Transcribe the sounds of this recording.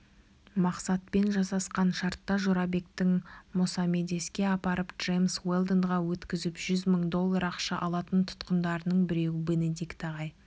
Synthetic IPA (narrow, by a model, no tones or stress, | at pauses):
mɑqsɑt̪̚pe̞nʒɑsɑsqɑnʃɑɾt̪ːɑʒoɾɑbe̞k̚t̪ɪŋmʊsɑme̞d̪e̞skʲe̞ɑpɑɾəpdʒ̥e̞jmswe̞lˠd̪ənʁɑwɵt̪kʲɪzɪpʒʏzməɴd̪o̞lˠːɑɾɑqʃɑʔɑlˠɑt̪ənt̪ʰʊ̥t̪qənd̪ɑɾənəɴbɪɾe̞wɪbenɪd̪ikt̪ɑʁɑj